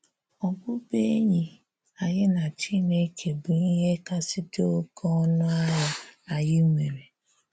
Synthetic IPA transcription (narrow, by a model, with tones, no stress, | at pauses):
ɔ˨ɡ͡bʷʊ˦be˦e˦ɲi˨ | a˨jɪ˦na˨t͡ʃi˦˨ne˦kʰe˨bu˨ni˦ɦe˦ka˦sɪ˦do˦o˦kʰɔ˦ɔ˦nʊ˦a˦ja˦a˨jɪ˦ŋʷe˨ɾe˨